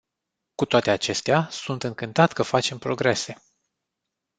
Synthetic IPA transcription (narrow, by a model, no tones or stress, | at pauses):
kut̪oat̪e̞at͡ʃe̞st̪easunt̪ɨŋkɨnt̪at̪ʲkəfat͡ʃe̞mpɾo̞ɡɾe̞se̞